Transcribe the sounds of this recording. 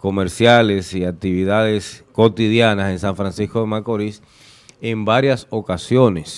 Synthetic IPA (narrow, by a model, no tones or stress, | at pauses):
ko̞meɾsjale̞siak̚t̪iβiðaðesko̞t̪iðjanase̞nsaɱfɾansisko̞ðemakoɾis | embaɾjaso̞kasjo̞nes